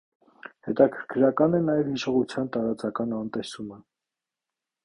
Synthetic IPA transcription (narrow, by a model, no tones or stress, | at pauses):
hɛt̪ɑkʰəɾkʰɾɑkɑnɛnɑjɛvhiʃɔʁut͡sʰjɑnt̪ɑɾɑt͡sɑkɑnɑnt̪ɛsumə